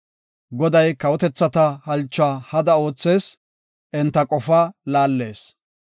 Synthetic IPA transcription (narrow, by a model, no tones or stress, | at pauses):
ɡɔd̪ɐjkɐwɔt̪ɛt͡sːɐt̪ɐhɐlt͡ʃːʊaːhɐd̪ɐo̞ːt͡sːe̞ːs | ʔɪnt̪ːɐkʼɔfaːlaːlːe̞ːs